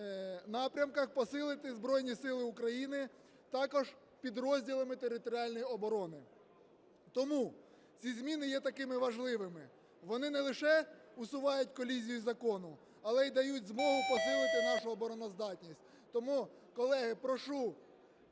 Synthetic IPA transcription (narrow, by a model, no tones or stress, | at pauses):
nɑpɾʲɐmkɐxpɔsɪlˠɪt̪ɪzbɾɔjnʲisɪlˠɪʊkɾɐjinɪ | t̪ɑkɔʒ | pʲid̪ɾɔzʲdʲilˠɐmɪt̪eɾɪt̪ɔɾʲiɑlʲnɔjɔbɔɾɔnɪ | t̪ɔmu | t͡sʲizʲmʲinɪjɛt̪ɐkɪmɪʋɐʒlˠɪʋɪmɪ | ʋɔnɪnɛlˠɪʃɛʊsʊʋɑjʊtʲkɔlʲizʲijʊzɐkɔnʊ | ɐlˠɛid̪ɐjudʲzmɔɦʊpɔsɪlˠɪt̪ɪnɑʃʊɔbɔɾɔnɔzd̪ɑtʲnʲisʲtʲ | t̪ɔmu | kɔlˠɛɦɪpɾɔʃu